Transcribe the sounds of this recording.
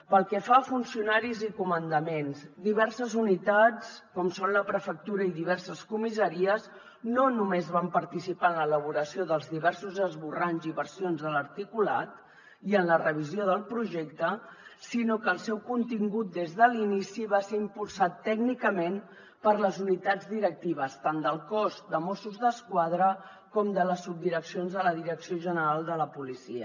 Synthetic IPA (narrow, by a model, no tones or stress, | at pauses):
pəlˠkɛfafunsiunaɾizikumənd̪əmenzd̪iβɛɾsəzunit̪at͡skɔmsonləpɾəfək̚t̪uɾəiðiβ̞ɛɾsəskumisəɾiəz | nonumezβampəɾt̪isipaənlələβ̞uɾəsioðəlˠzðiβɛɾsuzəzβuranziβəɾsionzðələɾt̪ikula̰t̪ | iənlərəβ̞izioðəlˠpɾuʒɛkt̪əsinokəːlˠsɛwkunt̪iŋɡut̪̚d̪ezðəlinisiβaseimpulˠsat̪ːɛɡnikəmen | pəɾləzunit̪ad͡zd̪iɾək̚t̪iβ̞əst̪and̪əlˠkɔsd̪əmɔsuzðəskwað̞ɾə | kɔmd̪ələsːub̚d̪iɾəksionzðələðiɾəksioʒənəɾalˠd̪ələpulisḭə̰